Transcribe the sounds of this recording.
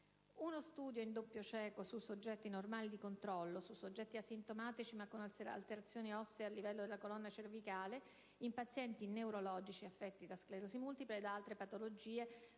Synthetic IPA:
unost̪uːd̪joind̪opːjot͡ʃɛːkosusod͡ʒːɛt̪ːinormaːlid̪ikont̪ɾɔlːosusːod͡ʒːɛt̪ːiasːint̪omaːt̪it͡ʃimakːona̰lt̪eɾat̪sːjoːniɔsːeealːivɛlːod̪elːakolɔnːat͡ʃervikaːle | impat̪sːjɛnt̪ineuɾolɔːd͡ʒit͡ʃiafːɛt̪ːid̪askleɾosimult̪ipɾeːd̪aalt̪ɾepat̪olod͡ʒiːe

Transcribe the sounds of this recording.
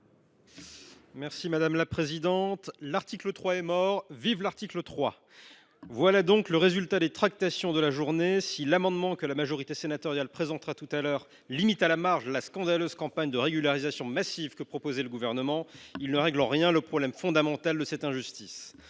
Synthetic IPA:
mɛʁsimad̪amlapχezid̪ɑ̃t̪laʁt̪iklət̪χwaɛmɔʁvivlaʁt̪iklət̪χwa | vwalad̪ɔ̃kləʁezylt̪ad̪et̪χak̚t̪asjɔ̃d̪əlaʒuʁnesilamɑ̃d̪mɑ̃kəlamaʒɔʁit̪esenat̪ɔʁjalpχezɑ̃t̪χat̪ut̪alœʁ | limit̪alamaʁʒlaskɑ̃d̪aløzkɑ̃paɲd̪əʁeɡʲylaʁizasjɔ̃masivkəpχɔpozɛləɡuvɛʁnəmɑ̃ilnəʁɛɡlɑ̃ʁjɛ̃ləpχɔblɛmfɔ̃d̪amɑ̃t̪ald̪əsɛt̪ɛ̃ʒyst̪is

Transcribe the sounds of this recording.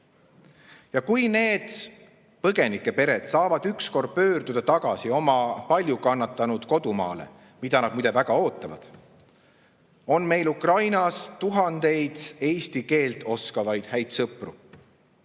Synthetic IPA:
jɑkujne̞ːd̪̥ | pɤɡ̥e̞nikːˑe̞pe̞ɾe̞d̪̥sɑːvɑd̪̥yksko̞rd̪̥̚pø̞ːrd̪̥ud̪̥ɑt̪ɑɡ̥ɑsio̞mɑpɑlʲjukɑnːɑt̪ːˑɑnud̪̥ko̞d̪̥umɑ̰ːle̞̰ | mid̪̥ɑnɑd̪̚mujd̪evæɡ̥ɑo̞ːt̪ːˑɑvɑ̰d̪̥ | o̞nme̞jlukrɑjnɑst̪uɦɑnd̪̥e̞jd̪̥e̞jst̪ike̞ːlt̪ˑo̞skɑvɑjd̪̥hæjd̪sɤpˑru

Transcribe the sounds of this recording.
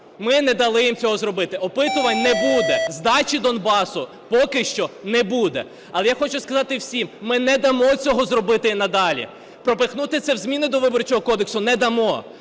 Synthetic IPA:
mɪnɛd̪ɐlˠɪjimt͡sʲɔɦɔzrɔbɪt̪ɪɔpɪt̪ʊʋɐnʲnɛbud̪ɛzd̪ɑt͡ʃid̪ɔnbɑsʊ | pɔkɪʃt͡ʃɔnɛbud̪ɛ̰ | ɐlˠɛjaxɔt͡ʃʊskɐzɑt̪ɪwsʲimmɪnɛd̪ɐmɔt͡sʲɔɦɔzrɔbɪt̪ɪinɐd̪ɑlʲḭ | pɾɔpɪxnut̪ɪt̪sɛwzʲmʲinɪd̪ɔʋɪbɔrt͡ʃɔɦɔkɔd̪eksʊnɛd̪ɐmɔ

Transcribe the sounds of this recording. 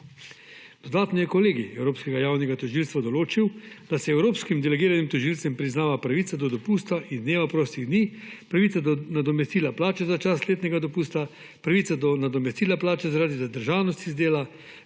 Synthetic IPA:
d̪̥ɔd̪aːt̪nɔjɛkɔleːɡiɛwɾoːpskɛɡajaːwnɛɡat̪ɔʒilst̪ʋad̪ɔloːt͡ʃiwd̪̥asɛɛwɾoːpskimd̪ɛlɛɡiːɾanimt̪ɔʒilt̪sɛmpɾiznaːʋapɾaʋiːsad̪ɔd̪ɔpuːst̪aʔind̪neːʋapɾoːst̪iɣd̪niːpɾaʋit̪anad̪ɔmɛst̪iːlaplaːt͡ʃɛzat͡ʃasleːt̪nɛɡad̪ɔpuːst̪a | pɾaʋit̪sad̪ɔnad̪ɔmɛst̪iːlaplaːt͡ʃɛzaɾaːd̪izad̪əɾʒaːwnɔst̪izd̪eːla

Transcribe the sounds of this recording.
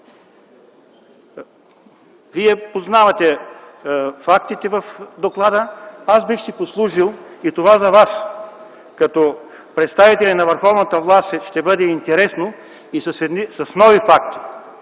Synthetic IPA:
viɛpoznavɐt̪ɛ | fak̚t̪it̪ɛvɐfd̪oklˠad̪əasbixsiposlˠuʒilˠit̪ovazɐvas | kɐt̪ɔ | pɾɛt̪st̪avit̪ɛlʲɛnɐvəɾxɔvnət̪əvlˠast̪ʃt̪ɛbɤd̪ɛint̪ɛɾɛsno | isɐsɛd̪nisɐsnɔvifakt̪i̥

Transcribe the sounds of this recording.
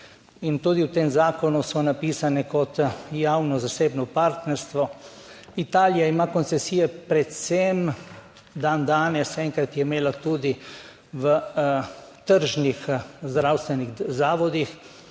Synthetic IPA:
int̪ud̪iwt̪eːmzaːkɔnusɔnapiːsanɛkɔt̪jawnɔzaseːbnɔpaɾt̪nɛɾst̪ʋɔ | it̪aːlijaimakɔnsɛsijɛpɾɛt̪sɛm | d̪and̪aːnɛsɛŋkɾat̪jɛimeːlat̪ud̪i | ʋə | t̪əɾʒnixzd̪ɾawst̪ʋɛniɣzaːʋɔd̪ix

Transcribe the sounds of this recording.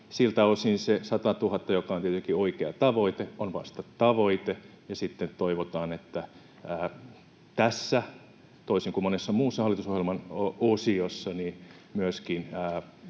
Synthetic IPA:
silt̪æosinsesɑt̪ɑt̪uhɑt̪ːɑjokɑˑont̪iet̪ylkioikeɑt̪ɑʋoit̪eonʋɑ̰st̪ɑt̪ɑʋoit̪e | jɑsit̪ːet̪oiʋot̪ɑːnet̪ːæ | æː | t̪æsːæ | t̪oisiŋkummonesːɑmuːsːɑhɑlːit̪usohjelmɑnoosiosːɑni | myøskinː

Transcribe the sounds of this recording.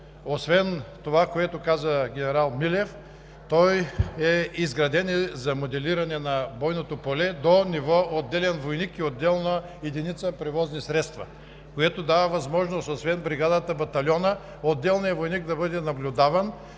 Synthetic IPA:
osvɛnt̪ovakoɛt̪okazəɡʲɛnɛɾalˠmilɛf | t̪ɔjɛizɡɾɐd̪ɛnɛzɐmod̪ɛliɾɐnɛnɐbɔjnot̪opolɛd̪onivɔod̪ːɛlɛnvojnikiod̪ːɛlˠnɐ | ɛd̪init̪səpɾɛvɔznisɾɛt̪st̪vɐ̰ | koɛt̪od̪avɐvɐzmɔʒnost̪osvɛnbɾiɡad̪ət̪əbɐt̪ɐlʲɔnə | od̪ːɛlˠnijɐvojnikd̪ɐbɤd̪ɛnɐblʲʊd̪avɐn

